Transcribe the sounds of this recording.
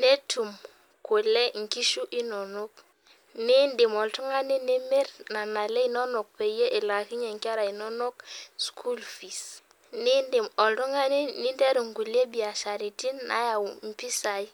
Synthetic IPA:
ne˦tʰu˨m | ko˨le˦ŋ̩˨ki˦ʃu˦ʔi˦no˨no˦k | ni˦ndi˨mɔ˨ltu˦ŋa˦ni˦ne˦me˦ɾna˨na˨le˦i˦nɔ˦no˨k̚pe˨je˦ʔi˨la˨ki˦ɲe˨ŋ˨ki˦a˦ɾa˨i˨nɔ˦no˦k̚skʰu˦lfi˨s | ni˦ndi˨mɔ˨ltu˦ŋa˦ni˦ni˦nde˦ɾu˨ŋ˨ɡu˨le˦bi˨a˨ʃa˨ɾi˨ti˦nːa̰˦ja˨wm̩˨pi˦sa˨i˦

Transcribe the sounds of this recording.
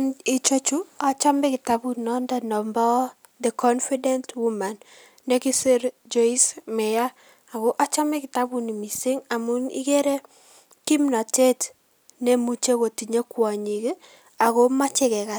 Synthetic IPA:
ni˨t͡ʃo˦t͡ʃu˦a˨t͡ʃa˦mɛ˦kɪ˨ta˦bu˦nɔ˦nda˨nɔ˨mbɔ˦ | ðɛ˨kʰɔ˦nfi˦dɛ˦ntwu˦ma˨nː | e˦ki˦se˦ɾd͡ʒo˦i˦smɛ˨ja˦ | a˨ko˦ʔa˦t͡ʃa˦mɛ˦kɪ˨ta˦bu˦˨ni˨mi˨si˦ŋa˨mu˦nḭ˦ke˦ɾe˦ | ki˦mna˨te˦t | ne˦mu˦t͡ʃe˦ko˨ti˨ɲe˦kwa˨ɲi˨ke˦ | a˨ko˦ma˦t͡ʃɪ˦kɛ˨ka˨t̚

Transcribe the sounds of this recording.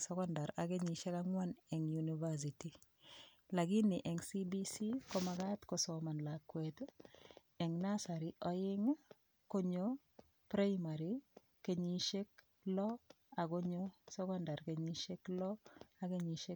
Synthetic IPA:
sɛ˦kɔnda˨ɾa˨ɡe˦ɲiʃe˦kaŋwa˦nɛ˨ŋjunivas̬iti˨ | la˨ɡi˦nɪ˨ʔɛ˨ŋsibisi˦ko˦maɡatkosɔma˨nlakwet | ɛ˨ŋnasa˨ɾiʔɔ˦jɪ˦ŋ | ko˦ɲo | pɾa˦imaɾi | ke˨ɲi˦ʃe˦k̚ | lɔ˦ | a˨ɡo˦ɲo˦sɛ˦kɔnda˨ɾke˨ɲi˦ʃe˦klɔ˦a˨ɡe˦ɲi˨ʃe˦

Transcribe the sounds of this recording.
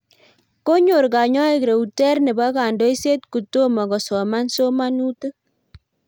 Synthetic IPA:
ko˦ɲo˨ɾka˨ɲɔ˦e˦˨kɾe˨u˨tɛ˦rnɛ˨ba˦ka˨ndo˦jse˦t̚ku˨to˦ma˨kɔ˨sɔ˨ma˦nso˦ma˦nu˦tɨ˦

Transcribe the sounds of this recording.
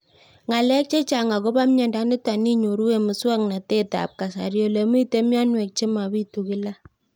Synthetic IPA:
ŋa˨lɛ˦k̚t͡ʃe˦t͡ʃa˨ŋa˨ko˦ba˦mɲɛ˨nda˨˦nɪ˦ta˨ni˦ɲo˨ɾu˦we˨mʊ˨swa˦kna˨te˦ta̰˨p̚ka˨sa̰˨ɾjo˨le˨mi˦te˦mja˦nwɛ˨k̚t͡ʃe˦ma˨bi˦tu˨kɪ˦la˦

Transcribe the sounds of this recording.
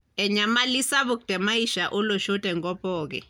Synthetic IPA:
ɛ˨ɲa˨mali˦sa˦βu˨k̚d̥ʱɛ˨ma˦i˦ʃaʔu˦lɔ˨ʃɔ˦tʼɛ˨ŋkɔ˦pʼɔːk̬ɛ̰

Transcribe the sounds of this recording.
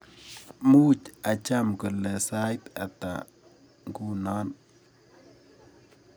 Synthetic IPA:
mu˦t͡ʃa˨t͡ʃa˦mkə˨lɛ˨sa˦jt̪a̰˨t̪a̰˨ | ŋku˦na˦n

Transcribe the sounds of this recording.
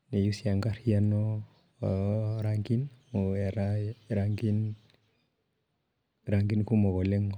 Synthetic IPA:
ne˨jusi˦a˨ŋɡa˦ɾjanɔ˦ | ɾaŋɡi˦no˨e˨ɾaɾaŋɡi˦n | ɾaŋɡi˦nku˦mɔ˨ɡɔ˨le˦ŋ˨

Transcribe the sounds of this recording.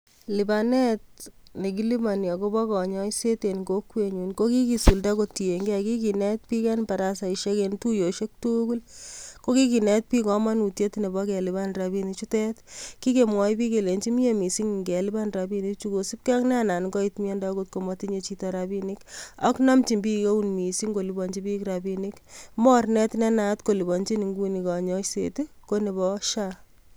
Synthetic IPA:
li˨ba˨nɛ˦t̚ne˨k̬i˦li˦ma˨njɔ˨ko˦bɔ˦kɔ˨ɲɔ˦jse˦te˨nko˦kwe˨ɲu˨nko˦ki˦ki˨su˨lda˦ko˦tːi˨e˨ŋɡɛ˦a˨ki˦k̬i˨nɛ˦t̚pi˦kɛ˦npa˨ɾa˦sa˨i˨ʃe˦kentu˦jo˨ʃe˦k̚tu˦ku˦lko˦ki˦ki˨nɛ˦t̚pi˦kɔ˦ma˦nu˨tje˦tne˨bɔ˦kɛ˨li˨ba˦nɾa˨bi˦ni˨t͡ʃu˦tɛ˦tki˦ke˨mwɔ˨˦jpi˦ke˨le˨nt͡ʃi˦mi˦e˨mi˨si˦ŋ˨ŋɡɛ˨li˦ba˦nra˨bi˦ni˦k̚t͡ʃu˦ko˨si˦p̚kːknɛ˦a˦˨na˨nɡɔ˦i˦tmi˦ɛ˦nda˦ko˦t̚ko˨mɔ˨ti˦ɲe˨t͡ʃi˦tɔ˧ɾa˨bi˦ni˦ka̰˦knɔ˦mt͡ʃi˨mbi˦ke˦u˦nmi˨si˦ŋɡo˨li˨bɔ˨ɲt͡ʃi˦bi˦kɾa˨bi˦ni˦kmɔ˦rnɛ˦tnɛ˦na˦tko˨li˨bɔ˨ɲt͡ʃi˦ni˨ŋɡu˦ni˨kɔ˨ɲɔ˦sḛtiko˦ne˨bɔ˦ʃa˦

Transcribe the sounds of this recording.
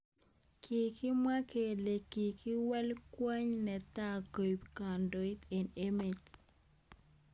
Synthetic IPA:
kʰi˨kɪ˦mwa˦kʰe˨le˨ki˨ki˦wa˦lkwa˦ɲnɛ˨t̪a˦ko˨jpka˨ndo˨i˦t̪e˨ne˦me˨t

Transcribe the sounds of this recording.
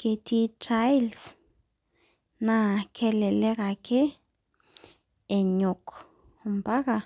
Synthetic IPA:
ke˧t̪i˧t͡ʃa˦jls | nã˦kʰe˧le˨le˦ɡa˨ke˦ | e˨ɲo˨k | mba˦ɡa˧˨

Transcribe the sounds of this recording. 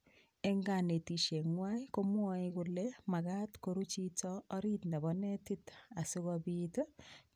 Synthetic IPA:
ɛ˦ŋɡa˨ne˨ti˨ʃe˨ŋwa˦i˦ko˦mwɔ˦ɪ˦kʊle˦ma˨ka˦tko˨ɾu˦t͡ʃitɔː˦ɾi˦tnɛ˨bɔ˨ne˦tɪ˦ta˨sʊ˦kɔbitɔ˦

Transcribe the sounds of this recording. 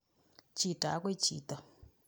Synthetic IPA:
t͡ʃi˨tʼa˨a˦kwe˦˨t͡ʃḭː˨t̪a˨

